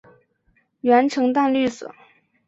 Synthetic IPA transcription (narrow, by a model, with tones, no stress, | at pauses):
ɥɛ˧˥nʈ͡ʂʰɤ˧˥ŋt̪a˥˧nly˥˩sɤ̰˨˩˦